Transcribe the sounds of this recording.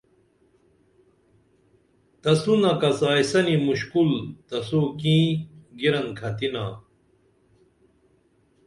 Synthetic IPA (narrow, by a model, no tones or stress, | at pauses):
t̪ɐsunɐkɐsaːjsɐnimuɕkult̪ɐsukĩːɡiɾɐnkʰɐt̪ina̰ː